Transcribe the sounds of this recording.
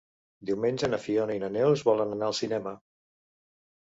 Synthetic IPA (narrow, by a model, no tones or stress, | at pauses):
d̪iwmenʲʒənəfionəinənɛwəzβɔlənənaəlˠsinɛmə